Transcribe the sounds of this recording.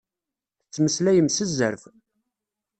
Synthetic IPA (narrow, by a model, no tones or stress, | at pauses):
θt͡sːməslæjəmsəzːəɾf